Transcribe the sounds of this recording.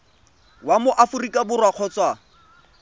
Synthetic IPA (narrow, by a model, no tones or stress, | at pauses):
wamʊʔafʊrikʼabʊrwaq͡χʰɔt͡swa